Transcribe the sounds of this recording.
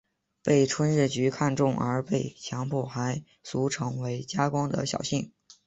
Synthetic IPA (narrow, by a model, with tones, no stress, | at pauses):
pe˥˩ɪʈ͡ʂʰwə˥nɻ̩˥˩t͡ɕy˧˥kʰa˥˧nʈ͡ʂʊ˥˩ŋə̰˞˧˥pe˥˩ɪt͡ɕʰjɑ˧˥ŋpʰu˥˩xa˧˥ɪ | su˧˥ʈ͡ʂʰɤ˧˥ŋwe˧˥ɪt͡ɕja˥kwɑ˥ŋd̪ə̰˨ɕjɑ̰˨˩ʊɕi˥˩ŋ